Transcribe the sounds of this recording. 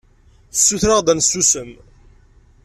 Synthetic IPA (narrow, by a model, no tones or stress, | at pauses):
sːuθɾaʁd̪ænsːusəm